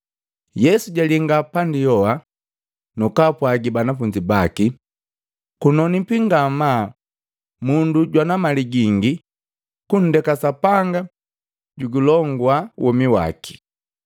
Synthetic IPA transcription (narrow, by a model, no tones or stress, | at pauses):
jɛsuɟaliŋɡapandijɔa | nukapwaɡibanafuɲd͡ʒibaki | kunɔnipiŋɡama | munduɟwanamaliɡiŋɡi | kun̩dɛkasapaŋɡa | ɟuɡulɔŋɡwawʔɔmiwa̰ki̥